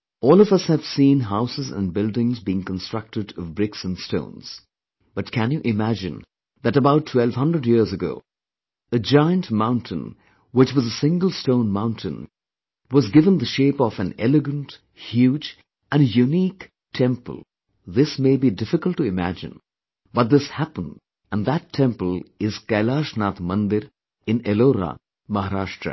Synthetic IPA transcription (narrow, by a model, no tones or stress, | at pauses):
ɔːlˠʌvʌshɨv̥sĩnɦaʊsɨzə̰̃nbɪlˠdɪ̃ŋzbiɪ̃ŋkə̃nstɹ̥ʌk̚tɨɾʌvbɹɪksə̃nstõ̰ʊ̃nz̥ | b̥ʌtkʰæ̃njɨʔɪmæd͡ʒɨ̰̃n | ðɨɾəbaʊtʰːw̥ɛlˠv̥hʌ̃ndɹədjiɹzɨɡo̰ʊ | ɨd͡ʒaɪə̃ntmãʊ̃ntʰɨ̰̃n | wɨt͡ʃwʌzəsɪ̃ŋɡəl̩ˠstõʊ̃nmãʊ̃ntʰɨ̰̃n | wɔzɡɪvə̃nd̪əʃeɪpɔfɨ̃nɛlɨɡə̃nt | hjuːd͡ʒ | ʔɨ̃njuniːk | tʰɛ̃mpə̰lˠ | ðɪsmeɪbidɪfɪkəl̩ˠtːuɪmæ̰d͡ʒɨ̰̃n | bʌt̪̚ðɪshæpə̃nd | ə̃nðætʰɛ̃mpəlˠɪz̥kaɪlaʃnaːt̪mʌ̃nd̪ɪɾ | ɪ̃neloːɾa̰ | mʌɦaɾaʃʈɾə̰